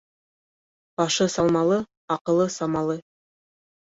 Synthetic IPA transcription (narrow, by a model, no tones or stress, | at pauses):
bɑʃɤsɑlˠmɑlˠɤ | ɑqɤ̆lˠɤsɑmɑlˠɤ